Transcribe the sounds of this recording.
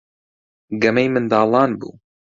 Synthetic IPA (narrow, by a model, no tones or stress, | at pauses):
ɡɐmejmɨnd̪ɑːlˠɑːnbṵː